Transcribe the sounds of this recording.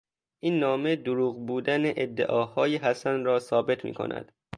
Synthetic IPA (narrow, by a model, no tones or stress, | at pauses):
ʔiːnːɒːme̞d̪oɾuːɣbuːd̪æneʔed̪ːeʔɒːhɒːjeɦæsænɾɒːsɒːbe̞t̪ʰmḭːkʰo̰nʔæ̰d̪̥